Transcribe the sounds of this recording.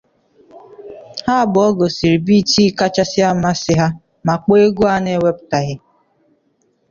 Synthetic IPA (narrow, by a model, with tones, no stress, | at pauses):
ha˦bʊ˨ɔ˦ɡo˨si˨ɾi˨bi˦ti˦ka˦t͡ʃa˦sɪ˦a˦ma˦sɪ˦ɦa˦ | ma˨k͡pe˦e˦ɡu˦a˦ne˦we˦b̚ta˨ɣɪ˦